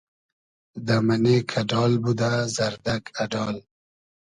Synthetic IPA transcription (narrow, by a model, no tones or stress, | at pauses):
d̪amanekʰaɖɑːlbud̪azaɾd̪aɡaɖɑːl